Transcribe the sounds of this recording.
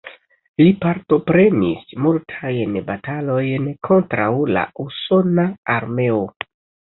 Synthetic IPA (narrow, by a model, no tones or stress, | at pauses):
lipaɾto̞pɾe̞nismultʰajnbatalo̞jnkʰo̞ntɾawla̰uso̞naaɾme̞o̞